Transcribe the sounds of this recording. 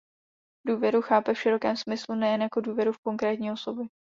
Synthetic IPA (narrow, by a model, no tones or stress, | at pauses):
duːvjɛɾuxaːpɛfʃɪɾo̞kɛːmsmɪslunɛjɛnjako̞duːvjɛɾufko̞ŋkɾɛːt̪ɲiːo̞so̞bjɛ